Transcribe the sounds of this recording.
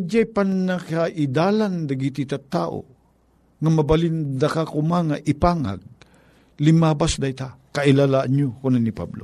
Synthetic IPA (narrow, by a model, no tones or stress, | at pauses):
d͡ʒajpanːakaʔɪd̪aland̪aɡit̪it̪at̪aːʔo̰ | ŋamɐbalɪnd̪akakʊmaŋaʔɪpaŋa̰ɡ̚ | lɪmaːbasd̪at̪akaʔɪlalaʔaɲokʊnanipa̰blo